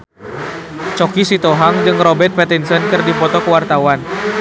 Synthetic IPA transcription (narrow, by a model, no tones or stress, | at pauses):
t͡ʃɔkisit̪oɦaŋd͡ʒɨŋrɔbɛrt̪̚pɛt̪insənkɨrdipɔt̪ɔkəwart̪awan